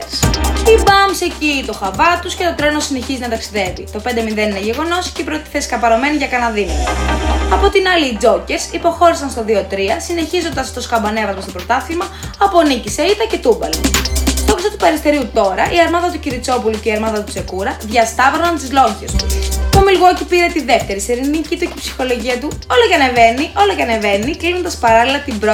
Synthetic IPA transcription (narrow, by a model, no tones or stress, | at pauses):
sibɐmsecit̪o̞xɐvɐt̪usce̞t̪o̞t̪ɾeno̞sine̞çizinɐt̪ɐksiðe̞vit̪o̞pnd̪e̞minðe̞nineʝe̞ɣo̞no̞sceipɾot̪i̥θesi̥kɐpɐɾo̞me̞niʝɐkɐnɐðinɐ | ɐpo̞t̪inɐliːd͡zo̞ce̞ɾsipo̞xo̞ɾisɐnst̪oðio̞t̪ɾiɐsine̞çizo̞nd̪ɐst̪o̞skɐmbɐne̞vɐzmɐst̪opɾo̞t̪ɐθimɐː | poniciseit̪ɐce̞t̪ubɐlst̪oksot̪upɐɾist̪e̞ɾiut̪o̞ɾɐʔiɐɾmɐðɐt̪uciɾit͡so̞puluce̞iɐɾmɐðɐt̪ut͡se̞kuɾɐðʝɐst̪ɐvɾonɐnt̪izlo̞çest̪ut̪omilɣo̞cipiɾe̞t̪iðeft̪e̞ɾiseɾinicit̪ucepsi̥xo̞lo̞ʝiɐt̪uo̞loʝɐneve̞niʔo̞loʝɐne̞ve̞niklino̞nd̪ɐspɐɾɐlilɐt̪ibɾo